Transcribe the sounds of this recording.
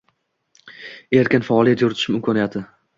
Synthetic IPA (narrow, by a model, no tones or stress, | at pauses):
e̞ɾkʲɪnfaːlˠijat̪jʊɾɪt̪ʰɪʃɪmɪmkʰɒnijat̪ʰɪ